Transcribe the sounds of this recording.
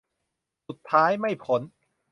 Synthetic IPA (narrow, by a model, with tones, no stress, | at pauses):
su˨˩t̪ʰːaː˦˥jma˥˩jpʰo˩˦n